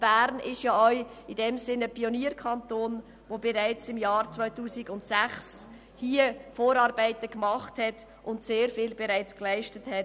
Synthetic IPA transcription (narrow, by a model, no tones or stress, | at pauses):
b̥æːɾnɪʃjaɔʏidɛmzɪnəpioniːɾkʰɑntoːn | vobɛɾaɪt͡sɪmjɑːɾt͡svœʏtuːsiɡʊntsæχs | hiːəfoːɾɑːɾbæɪtəkmɑχthɛt | ʔʊntseːɾfɪːlbɛɾaɪt͡sklaɪʃtəthɛt